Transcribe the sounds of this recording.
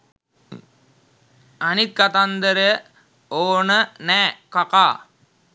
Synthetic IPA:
ɐnit̪̚kɐt̪ɐnd̪ɐɾɐ | oːnɐnekɐkaː

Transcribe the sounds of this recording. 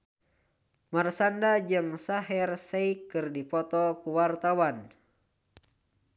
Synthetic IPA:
marsandad͡ʒɨŋsaɦɛrsɛikɨrdipɔt̪ɔkuwart̪awan

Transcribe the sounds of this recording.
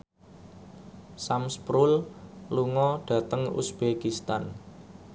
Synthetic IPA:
samspɾʊlluŋɔɖ̥ä̤t̪əŋṵsb̥ekist̪an

